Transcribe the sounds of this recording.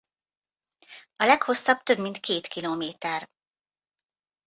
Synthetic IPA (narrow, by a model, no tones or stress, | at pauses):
ɒlɛkho̞sːɒb̥̚t̪ø̞bmint̪keːt̪kiloːmeːt̪ɛr